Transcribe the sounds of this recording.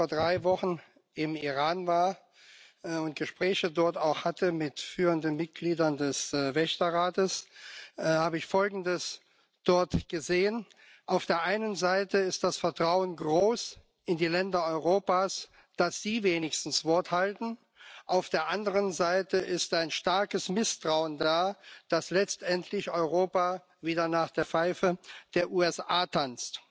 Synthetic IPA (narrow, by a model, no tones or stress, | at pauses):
foːɐdʁaɪvɔχn̩ | ʔɪmiʁaːnvaːɐ | ʊnt̚ɡ̥əʃpʁ̥ɛːçədɔɐtaʊxhatʰəmɪtfyːʁəndənmɪt̚ɡ̥liːdɐndɛsvɛçtɐʁaːtəs | haːbəɪçfɔlɡŋn̩dəs | d̥ɔɐtɡ̥əzeːən | ʔaʊfd̥eːɐʔaɪnənzaɪtəɪst̚d̥asfɛɐtʁ̥aʊənɡʁoːs | ʔɪndiːlɛndɐɔʏʁoːpaːs | d̥asz̥iːveːnɪçstn̩sv̥ɔɐthaltn̩ | ʔaʊfd̥eːɐʔandəʁ̞ənzaɪtəʔɪstaɪnʃtaɐkəsmɪstʁ̥aʊəndaːd̥aslɛt͡stʔɛntʰlɪçɔʏʁoːpa | viːdɐnaːχd̥eːɐfaɪfəd̥eːɐʔuːɛsʔaːtʰant͡st